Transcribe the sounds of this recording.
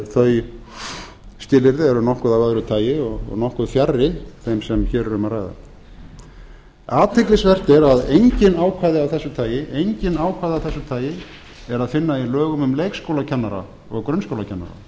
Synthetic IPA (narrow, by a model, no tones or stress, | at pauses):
θœɥj | st̪ɪːlɪɾðɪɛɾʏnɔhkʏðavaðɾʏt̪ʰaːjɪɔɣ̰ɣnɔhkʏðfjarːɪθɛmsɛmçɛːɾɛɾʏmaraːjða̰ | aːt̪ʰejklɪsvɛr̥t̪ɪɾaðejɲcɪnaːwkʰvaːðɪawθɛsːʏt̪ʰaːjɪʔejɲcɪnaːwkʰvaːðɪawθɛsːʏt̪ʰaːjɪ | ɛɾaðfɪnːailœːɣʏmʏmleːjkskowlacʰɛnːaɾa̰ | ɔɣkɾœnskowlacʰɛnːa̰ɾa̰